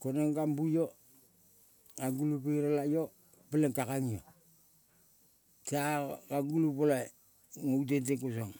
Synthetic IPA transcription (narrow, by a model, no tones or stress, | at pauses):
konoŋɡambujo | kaŋɡulupiɾalajo | peleŋkakaŋijo | takaɡulupolo | ŋoutenteŋkus̬oŋ